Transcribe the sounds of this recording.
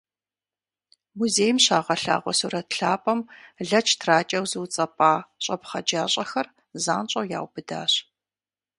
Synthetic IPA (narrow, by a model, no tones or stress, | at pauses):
muzeːjmɕaːʁɐɬa̰ːʁʷɔsuɾɐtɬaːpʼɐmɮɐt͡ʃʰtʰraːt͡ʃʼɐwzɨwt͡sʼɐpʼaːɕʼɐpχɐd͡ʒaːɕʼɐxɐr | zaːnt͡ʃʼɐwja̰ːwb̥ɨda̰ːɕ